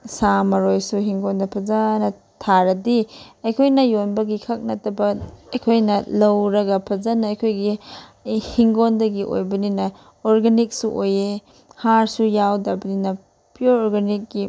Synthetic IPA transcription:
samɐɾojsuɦiŋɡondɐpʰɐzanɐ | tʰaɾɐdiɐjkʰojnɐjonbɐɡikʰak̚nɐtɐbɐɐjkʰojnɐlɐwɾɐɡɐpʰɐzanɐɐjkʰojɡi | hiŋɡondɐɡiʔo̰jbɐninɐ | oɾɡanik̚suʔoje | haɾsujawdɐbɐninɐ | pijoɾoɾɡanik̚ɡi

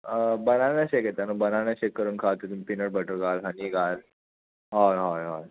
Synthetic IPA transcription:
bənanjaɕeket̪anobənaɳjaɕekːəɾuːnkʰat̪et̪umipinəɽbəʈəɾɡalɦəniːɡal | ɦaɦɔjɦɔj

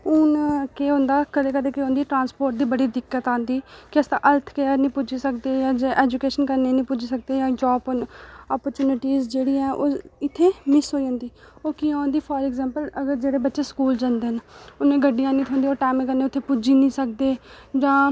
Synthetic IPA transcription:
ʊnkeːõːnd̪aːkəɾeːkəɾeːkeɦõːnd̪iːʈɾãːnspoːɾʈ̚d̪iːbəɽiːd̪ɪkːət̪ãːnd̪iːkɪəst̪ãːʔəlt̪ʰkeanĩːpʊd͡ʒiːsək̚d̪eːjãːd͡ʒeːʔeːd͡ʒʊkeːʃənkəɾneːnĩːpʊd͡ʒiːsək̚d̪eːjãːd͡ʒɔːpnɔːpəɾt͡ʃjuːnɪʈiːzd͡ʒeːɽiːɛːʔoːɪt̪ʰːeːmɪsɦoːiːõːnd̪iːoːkiːãːnd̪iːpʰɔːɾɛːɡzɛ̃ːmpələɡəɾd͡ʒeːɽeːbətːʃeːskuːld͡ʒãːnd̪eːɦnʊnẽːɡəɖːijãːnĩːt̪ʰõːnd̪iːoːʈaːmẽːkəɾneːʊt̪ʰːeːpʊd͡ʒiːnĩːsək̚d̪eː | d͡ʒãː

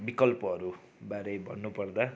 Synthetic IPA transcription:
bikʌlpʌɦʌɾu | baɾejbʱʌnːupʌrd̪a

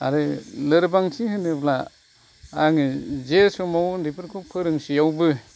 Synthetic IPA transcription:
a̰ɾɯlɯɾbaŋtʰihɯnɯbla | aŋɯzesɔmawndipʰɯɾkʰupʰɯɾɯŋsijawbɯ

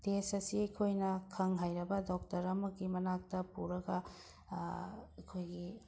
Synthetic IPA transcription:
tesɐsiɐjkʰojnɐkʰɐŋɦajɾɐbɐdɔk̚tɐɾɐmɐɡimɐnak̚tɐpuɾɐɡɐ | ɐkʰojɡi

